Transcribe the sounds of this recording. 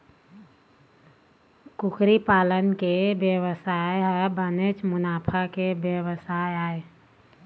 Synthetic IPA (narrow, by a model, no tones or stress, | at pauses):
kʊkʰɾipaːlənkebjəwəsaːeɦəbənet͡ʃmʊnaːpʰakebjəʋəsajaːe